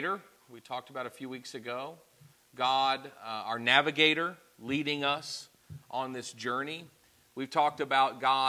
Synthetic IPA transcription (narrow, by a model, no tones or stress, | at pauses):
ɾə˞ | wiv̥tʰɔk̚təbaʊɾɨfjʉwiksɨɡoʊ | ɡɑdə˞nævɨɡeɪɾə˞ | liɾɪ̃ŋʌs | ʔn̩ðɪsd̥ʒ̥ɜ˞ni | wiv̥tʰɔk̚tɨbaʊt̚ɡ̥ɑ